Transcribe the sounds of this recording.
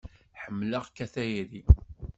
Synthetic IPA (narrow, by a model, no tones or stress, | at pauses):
ħəmːləʁkæθæjiɾi